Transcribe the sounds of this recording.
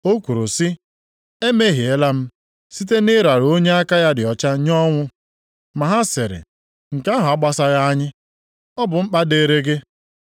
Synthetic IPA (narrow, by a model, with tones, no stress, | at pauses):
o˦kʷu˨ɾo˨sɪ˦ | e˦me˦ɦi˨e˨˦la˦m̩˦ | si˦t̬e˦nɪ˦ɾa˨ɾo˦ɲe˦a˦ka˦ja˦dɪ˨ɔ˨t͡ʃa˦ɲɔ˦ŋʷʊ˦ | ma˨ɦa˦sɪ˨ɾɪ̰˨ | ŋ̩˨ka˦ɦʊ˨a˦ɡ͡ba˦sa˦ɣa˦a˦ɲɪ˦ | ɔ˦bʊ˨ŋ͡m̩˦k͡pa˦de˨ɾe˦ɡe˦